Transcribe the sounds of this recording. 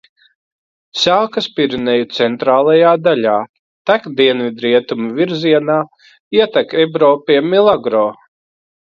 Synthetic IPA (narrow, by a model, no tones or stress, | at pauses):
saːkaspiɾinejut̪sɛnt̪ɾaːlˠajaːd̪alʲaː | t̪akd̪iɛnvid̪ɾiɛt̪umuviɾziɛnaː | iɛt̪akɛbɾɔːpiɛmilˠaɡɾɔː